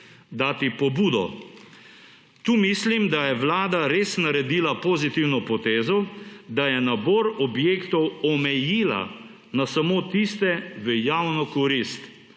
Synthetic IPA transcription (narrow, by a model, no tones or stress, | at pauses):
d̪aːt̪ipɔbuːd̪ɔ̰ | t̪uːmislimd̪ajɛwlaːd̪aɾeːsnaɾɛd̪iːlapoːzit̪iwnɔpɔt̪eːzɔd̪ajɛnaboːɾɔbjeːkt̪ɔwɔmɛjiːla̰ | nasamot̪ist̪ɛʋəjawnɔkɔɾist̪